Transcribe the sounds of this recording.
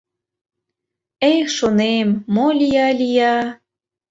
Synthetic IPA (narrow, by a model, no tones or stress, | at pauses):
ejʃonemːolʲijɑlʲijɑ